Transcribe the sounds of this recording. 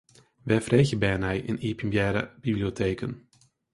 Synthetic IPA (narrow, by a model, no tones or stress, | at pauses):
ʋɛjfrejɣəbɛjənɛjʔɪ̰nipimbjɛːɾə̰b̥ibliotejkən